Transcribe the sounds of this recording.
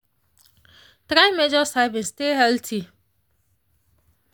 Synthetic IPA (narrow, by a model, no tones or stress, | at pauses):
tɾaɪmed͡ʒɔsajbɪ̃nsteɦɛltʰi